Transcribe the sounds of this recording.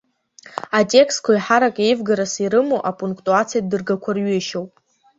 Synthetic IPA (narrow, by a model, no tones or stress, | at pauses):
atʼe̞kskʷʰaiħaɾakʼe̞jvɡaɾasiɾɨmoʔapʼuŋkʰʼtʼuat͡sʰijadɨrɡakʷʰarɥeʃo̞wpʼ